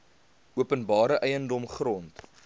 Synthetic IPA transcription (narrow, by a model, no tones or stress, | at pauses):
uəpənbɑːɾəʔɛjəndɔmχrɔnt